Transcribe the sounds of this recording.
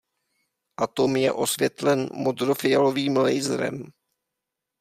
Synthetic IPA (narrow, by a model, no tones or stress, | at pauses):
ʔat̪omjɛ̰ʔo̞svjɛt̪lɛnmod̪ɾofɪjaloviːmlɛjzɾɛ̰m